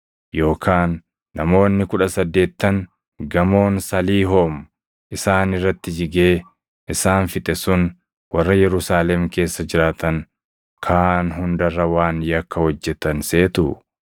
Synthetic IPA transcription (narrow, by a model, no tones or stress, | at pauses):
jo̞ːkʰaːnː | ɐmo̞ːnːɪkʊᶑɐsɐd̪ːe̞ːt̪ːɐŋ | ɡɐmo̞ːnsɐliːɦoːm | ʔɪsaːnɪrːɐt̪ːɪd͡ʒɪɡe̞ː | ʔɪsaːnfɪt̪ʼɛsʊn | wɐrːɐjɛɾʊsaːlɛmke̞ːsːɐd͡ʒɪɾaːt̪ɐŋ | kʰaːnɦʊnd̪ɐrːɐwaːnjɐkːɐhɔd͡ʒːɛt̪ɐnse̞ːt̪ʊ̰